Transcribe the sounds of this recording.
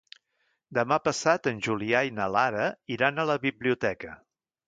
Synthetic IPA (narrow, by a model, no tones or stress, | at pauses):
d̪əmapəsat̪ənʲʒuliajnəlaɾəiɾanələβiβliut̪ɛkə